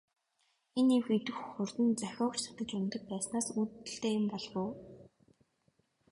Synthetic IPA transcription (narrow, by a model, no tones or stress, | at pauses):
enewxet̪ɘ̆xxʊrt̪ɘ̆nt͡sæxʲɔːkt͡ɕsʰḁt̪ə̆t͡ɕʊnt̪ə̆k̚pæːsnaːsut̪ːɘ̆ɬt̪eːjɪmpɔɮʁʊː